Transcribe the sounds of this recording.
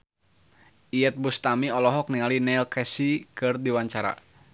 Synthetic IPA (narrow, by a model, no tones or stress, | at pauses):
iɛt̪̚bust̪amiɔlɔɦɔk̚niŋalinɛlkɛsikɨrdiwaɲt͡ʃaɾa̰